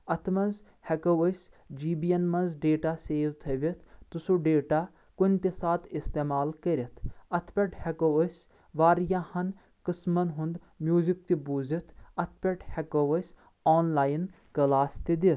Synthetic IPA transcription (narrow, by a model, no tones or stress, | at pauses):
ɐt̪ʰmɐnz | hɐkɐʋɐsʲ | d͡ʒiːbijɐnmɐnzɖeːʈaseːʋt̪ʰɐʋʲit̪ʰt̪usuɖeːʈaː | kʊnʲt̪esaːt̪ʰist̪eːmaːlkɐɾʲɐt̪ʰɐt̪ʰpʲɐʈhɐkoʋɐsʲ | ʋaːɾjaːhɐn | kɨsmɐnɦʊ̃nd̪ | mʲjuːzik̚t̪ibuzit̪ʰɐt̪ʰpʲɐʈhɐkɐʋɐsʲ | aːnlaːjn | kɐlaːst̪id̪it̪ʰ